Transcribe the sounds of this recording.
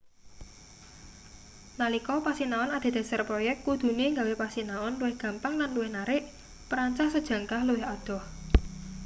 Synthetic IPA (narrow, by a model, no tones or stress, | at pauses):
nalikɔpasinaɔnad̪̥e̤d̪̥a̤sarpɾɔjɛk̚t̪̚kud̪̥ṳneŋɡawepasinaɔnluwɪhɡ̥a̤mpaŋlanluwɪhnaɾɪʔ | pəɾaɲt͡ʃahsəd̥ʒ̥ä̤ŋkahluɪɦad̪̥ɔ̤h